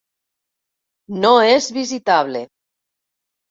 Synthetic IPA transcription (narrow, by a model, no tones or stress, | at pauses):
noezβizit̪aβle